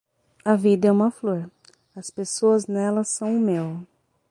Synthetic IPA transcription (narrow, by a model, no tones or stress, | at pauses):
ɐvid̪ɐɛũmɐfloɾ | ɐspesoɐznɛlɐsɐ̃w̃ũmew